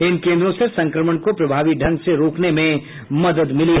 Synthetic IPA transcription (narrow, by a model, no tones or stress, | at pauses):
ɪnkẽːnd̪ɾõsesɐ̃ŋkɾəməɳ̃kopɾɐbʱaːʋiɖʱɐ̃nɡseɾoːknemẽ | mɐd̪əd̪mɪliɦ